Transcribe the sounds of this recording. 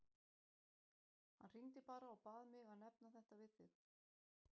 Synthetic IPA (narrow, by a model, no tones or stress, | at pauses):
hanr̥int̪ɪpaːɾaːwpaːðmɪɣaðnɛpnaθɛht̪avɪðθɪð